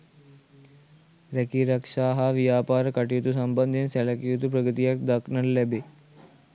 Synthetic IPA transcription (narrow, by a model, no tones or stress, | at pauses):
ɾekiɾəkʂaːɦaʋijaːpaːɾkɐʈiut̪usɐmbənd̪ʱinsɛlɐkjut̪upɾɐɡət̪ijɐk̚d̪ɐknənlɛbe